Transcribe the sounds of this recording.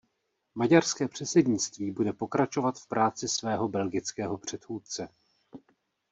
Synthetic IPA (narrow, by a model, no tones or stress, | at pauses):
maɟarskɛːpr̝̥ɛt͡sɛdɲɪt͡st̪viːbudɛpo̞kɾat͡ʃo̞vat̪fpɾaːt͡sɪsvɛːɦo̞bɛlɡɪt͡skɛːɦo̞pr̝̥ɛt̪xuːt̪̚t͡sɛ